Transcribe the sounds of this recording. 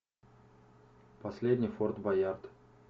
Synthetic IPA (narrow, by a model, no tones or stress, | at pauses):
pɐsʲlʲedʲnʲɪjfort̪bɐjart̪